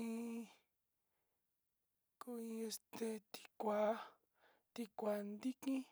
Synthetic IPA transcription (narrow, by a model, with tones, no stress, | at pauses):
ĩ˧ | ku˦ĩ˧e˧st̪e˧t̪i̥˧kʷa˨˦ | t̪i˧kʷa˨nd̪i˦kĩ˦